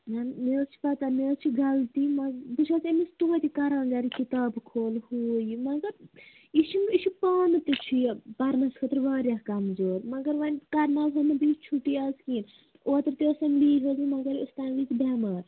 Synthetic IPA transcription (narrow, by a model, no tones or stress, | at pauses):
ɦɐnmeːst͡ʃʰi̥pɐt̪ɐmeːst͡ʃʰiɡɐlt̪iːmɐbiʃʰaːsemist̪uʋɐt̪ikɐɾãːɡɐɾikit̪aːbkʰoːlhuːjmɐɡɐɾ | iʃiniʃipaːnt̪it͡ʃʰipɐɾnɐskʰɐt̪ɾʋaːɾʲjahkɐmzoːɾmɐɡɐɾʋɐnʲkɐɾnaːzonɐbit͡ʃʰuʈːiaːskiːn | ʔoːt̪ɐɾt̪iosɐmliːɦozimɐɡɐɾust̪aːnliːt͡sibʲaːmaːɾ